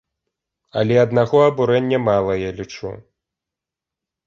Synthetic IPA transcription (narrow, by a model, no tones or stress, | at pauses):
ɐ̰lʲɛɐd̪naɣɔɐbuɾɛnʲːɐmalˠɐjalʲit͡ʂṵ